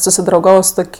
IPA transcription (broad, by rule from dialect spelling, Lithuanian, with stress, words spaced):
sʊsʲɪdrɐʊˈɡɑːʋoː sʊ ˈtoːkʲ